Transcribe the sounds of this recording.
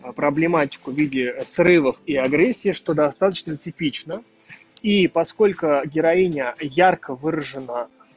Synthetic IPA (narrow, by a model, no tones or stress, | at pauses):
pɾəblʲɪmatʲɪ̥kʊvʲidʲɪsrɨvəfiɐɡɾʲesʲːiːʂt̪o̞d̪ɐst̪at̪ət͡ɕnətʲɪpʲit͡ɕnə | ipɐsko̞lʲkʊɡʲɪɾɐinʲəjarkəvɨɾəʐɨna